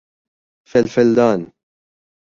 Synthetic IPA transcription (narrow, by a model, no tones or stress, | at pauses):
fɛlfɛld̪aːn